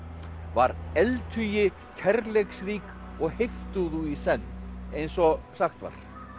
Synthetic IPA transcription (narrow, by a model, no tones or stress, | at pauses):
vaɾɛlt̪ʰʏjɪ | cʰɛɾleksriːk | ɔɣheft̪ʏðuisɛnːejnsɔsaxt̪va̰ɾ̥